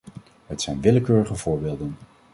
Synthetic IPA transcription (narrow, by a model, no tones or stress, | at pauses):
ɦətsɛjnʋɪləkøːɹəχəvʊːɹbeːlˠdən